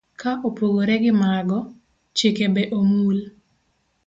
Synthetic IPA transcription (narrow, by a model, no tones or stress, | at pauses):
kaʔopoɡoɾɛɡɪmaɡɔ | t͡ʃekebɛʔomul